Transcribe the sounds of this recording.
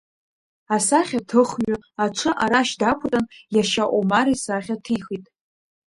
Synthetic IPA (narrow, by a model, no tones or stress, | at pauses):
asaχʲatʰɨχɥʊaʈ͡ʂʷʰɨʔaɾaʃdakʷʰʊtʼanjaʃaʔʷomaɾisaχʲatʰixitʼ